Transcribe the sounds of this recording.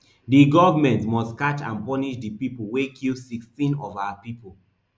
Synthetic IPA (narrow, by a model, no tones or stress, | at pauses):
diɡɔvmɛ̃ntmɔstkat͡ʃã̰npɔniʃdipipol̩wekʰilsikstĩnɔvawapipol̩